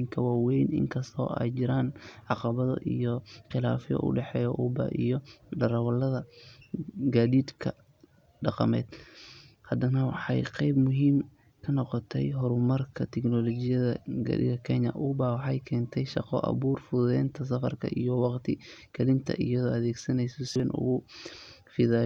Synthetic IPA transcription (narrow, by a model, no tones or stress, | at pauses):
ŋkʰɐwaːwɛjnɪ̰ŋkʰɐst̪ʰɔ̰ːʔɛ̰jt͡ʃɪɾaːnʕɑqɑβɐðɐ̰ʔijɔqɪla̰ːfjɔ̰ʔʊ̰ɖɛħɛːjɔʔuːbɐ̰ʔijɔɖɐɾɐwɐlːɐðɐ | ɡaːðiːd̪kʰɐ | ɖɑqɑmɛ̰ːd̪̥ | hɐd̪ɐnɐwɑ̰ħɑ̰jqɛjbmʊɦiːm | kʰɐnɔqɔt̪ʰɛjɦɔɾʊmɐrkʰɐt̪ʰɛknɔlɔt͡ʃɪjɐðɐ̰ɡɐ̰dɪ̰ɡɐkʰɛɲɐʔubaːwɑħɑjkʰɛːnt̪ʰɛjʃɑqɔʔɐ̰βuːrfʊðʊðɛːnt̪ʰɐs̬ɐfɐrkʰɐ̰ʔijɔwɑqt̪ʰɪkʰɐlɪnt̪ʰɐ̰ʔijɐðɔːɐðɛːɡsɐnɛjsɔsɪɛnʔʊ̰ɣʊ | fɪða